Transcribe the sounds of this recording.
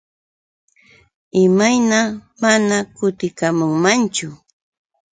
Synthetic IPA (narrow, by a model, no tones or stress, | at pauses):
ɪmajnamanakʊt̪ɪkamʊŋmant͡ʃʊ